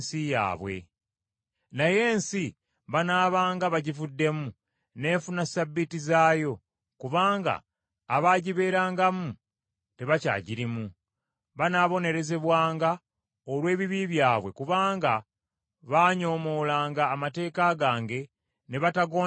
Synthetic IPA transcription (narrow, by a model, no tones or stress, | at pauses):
sija̰ːβwe̞̰ | naje̞ːnsi | βanaːβaːŋɡaβaɟivudːe̞mu | ne̞ːɱfunasabːitizaːjo̞ | kuβaːŋɡa̰ː | βaːɟiβe̞ːɾaːŋɡamu | te̞βaca̰ːɟiɾimu | βanaːβo̞ne̞ɾe̞ze̞βwaːŋɡa | olwe̞ːβiβiβjaːβwe̞kuβaːŋɡa | βaːɲo̞ːmo̞ːlaːŋɡaːmate̞ːkaɡaːŋɡe̞ | ne̞βataɡo